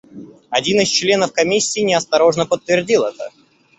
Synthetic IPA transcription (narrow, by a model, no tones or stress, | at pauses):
ɐdʲinɪst͡ɕlʲe̞nəfkɐmʲisʲːiːnʲɪɐst̪ɐɾo̞ʐnəpət̪ːvʲɪrdʲilˠɛt̪ə